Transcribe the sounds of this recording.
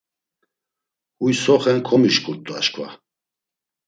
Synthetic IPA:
ujsɔχɛnkʰɔmiʃkʰʼuɾt̪ʼua̰ʃkʰʼva̰

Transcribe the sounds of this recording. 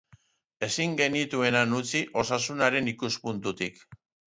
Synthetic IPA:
e̞siŋɡe̞nit̪ue̞nanut͡siʔo̞sasunaɾe̞nikuspunt̪ut̪ik

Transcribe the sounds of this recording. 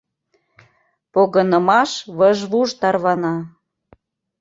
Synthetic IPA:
poɣɤ̆nəmɑʃβəʒβuʒt̪ɑrβɑnɑ

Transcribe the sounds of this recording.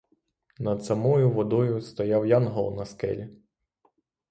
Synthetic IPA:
nɐd̪sɐmɔjʊʋɔd̪ɔjʊst̪ɔjɑwjɑnɦɔlˠnɐskɛ̰lʲi

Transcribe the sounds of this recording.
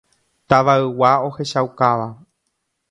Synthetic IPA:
t̪aʋaɨwao̞he̞ʃawkaʋa

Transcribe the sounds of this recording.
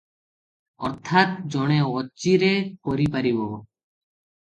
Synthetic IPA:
ɔ̰ɾt̪ʰaːt̪̚d͡ʒoːɳ̃ẽːoːt͡ʃiːɾeːkoːɾiːpəɾiːʋoː

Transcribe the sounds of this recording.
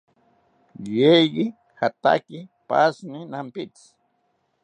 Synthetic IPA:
jejɢɪ | xat̪a̰kɪpasnɪnampɪt͡s

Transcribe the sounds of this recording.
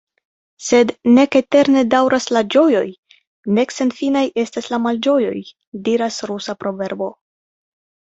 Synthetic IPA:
se̞dne̞ke̞te̞ɾne̞dawɾʔaslad͡ʒo̞jo̞j | ne̞kse̞nfinaje̞staslamald͡ʒo̞jo̞̰j | diɾasɾusapɾo̞ve̞ɾbo̞

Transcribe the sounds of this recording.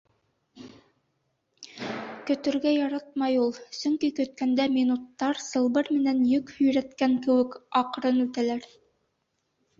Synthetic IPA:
kɵ̆t̪ɵ̆ɾɡæjɑɾɑt̪̚mɑjulˠsɵ̆ŋkikɵ̆t̪̚kænd̪æmʲinut̪ːɑɾsɤ̆lˠbɤɾmɘ̆nænjɵkhɵ̆jɾæt̪kæŋkɘ̆wɘ̆kɑqɾɤnʉt̪ælæɾ

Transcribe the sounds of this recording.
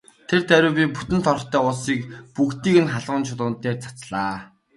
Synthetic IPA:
t̪ʰert̪æɾʲʊːpʲiput̪ɘ̆nt̪ʰɔr̆χt̪ʰœːʊɮsiːkpukt̪iːkɘ̆nχaɮʁʊ̆nt͡ɕʰʊɮʊːnt̪eːrt͡sʰḁt͡sɮaː

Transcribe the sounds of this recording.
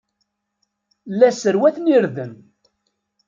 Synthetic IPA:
lːæsəɾwæθniɾðəm

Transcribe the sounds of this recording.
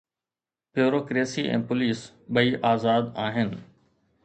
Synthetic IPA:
pjoːɾoːkɾeːsiːʔɛ̰̃ːpʊliːs | ɓɐiːʔaːzaːd̪aːɦɪnɪ̆

